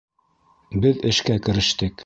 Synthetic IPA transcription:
bɘðɘ̆ʃkækɘ̆ɾɘ̆ʃt̪ɘk

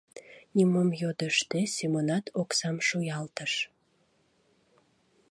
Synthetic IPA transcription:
nʲimomjod̪əʃt̪esʲemonɑt̪ʰoksɑmʃujɑlt̪əʃ

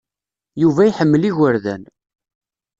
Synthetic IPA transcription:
juvæjħəmːəliɣəɾðæ̰n

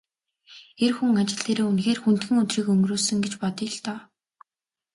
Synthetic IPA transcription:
erxuŋat͡ɕɪ̆ɮt̪eːɾeːunxeːrxun̥t̪̚ɡɘ̆ŋɵt̪riːkɵŋɡroːsɵ̆ŋɡet͡ɕpɔt̪iːɮt̪ɔː

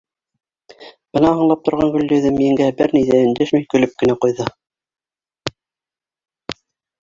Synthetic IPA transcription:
b̥ɤ̆nɑɦɤ̆ɴlˠɑp̚t̪ŏɾʁɑŋɡɵ̆lːɵ̆ðɘmijɘ̆ŋɡæbɘɾnijðæɘ̆nd̪æʃmijkɵ̆lɵp̚kɘ̆næqujðɤ

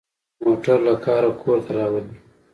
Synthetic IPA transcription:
moʈaɾlakʰɑːɾakʰoɾt̪ʰaɾɑwad̪i

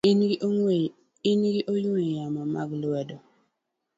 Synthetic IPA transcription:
inɡɪʔoɲwejamɔma̰ɡlwɛdɔ

